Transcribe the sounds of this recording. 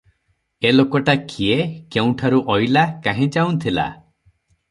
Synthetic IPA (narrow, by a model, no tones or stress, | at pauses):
elokɔʈakʰiekew̃ʈʰaɾuʔɔjlakaɦẽd͡ʒaw̃nt̪ʰila̰